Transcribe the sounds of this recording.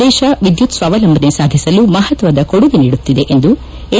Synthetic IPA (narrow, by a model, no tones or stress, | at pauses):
ɛːʃɐʋid̪jut̪sʋaːʋɐlɐmbʱɐnesaːd̪ʱisɐlumɐɦɐt̪ʋɐd̪ɐkoɽuɡiniːɽut̪ːid̪e̞ʔend̪u | e